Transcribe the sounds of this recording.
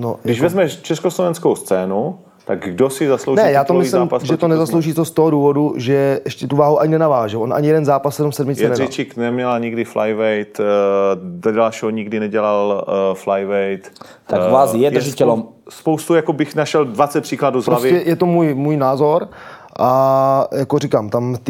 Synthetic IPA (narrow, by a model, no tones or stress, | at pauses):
noɡdɪʃvɛzmɛt͡ʃɛskoslovɛnskowst͡sɛːnu | t̪aɡɡdosɪzaslownɛjaaːt̪omɪislɪamːmpasʒɛt̪onɛzaslo̞wʒiːt̪ost̪oɦoduːvo̞duʒɛʔɛʃcɛt̪uvaːɦuʔaɲɪnɛnavaːʒɛlʔonʔa̰ɲɪjɛdɛnzaːpassɛdumsɛdmɪt͡sɛnɛrit͡ʃiknɛmɲɛlaɲɪɡdɪflajvɛjt̪ | dodalʃɛɦoɲɪɡdɪnɛɟɛlalflajvɛjt̪ | t̪avaːsjɛd̪zɪcɛlom | spowst̪ujakobɪxnaʃɛldvat͡sɛt̪̚pr̥iːkladuzpɾloasvɪɛjɛt̪omuːjmuːjnaːzo̞ɾ | ʔajakorɪkaːmt̪amt̪ɪ